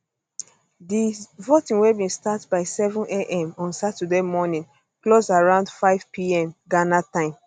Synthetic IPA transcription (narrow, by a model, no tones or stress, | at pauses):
divotĩŋwebĩnstatbaɪsɛvɔ̃neʔɛ̃mɔ̃nsatədemɔnĩn | klosaɹãʊ̃ndfaɪv̥pʰiɛ̃mɡanatãɪ̃m